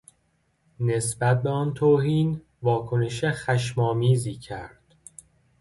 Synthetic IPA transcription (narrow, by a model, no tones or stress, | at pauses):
ne̞sbæt̪̚be̞ɒːnt̪ʰoːɦiːn | vɒːkʰo̞ne̞ʃexæʃ̬mɒːmiːziːcʰæɾd̪̥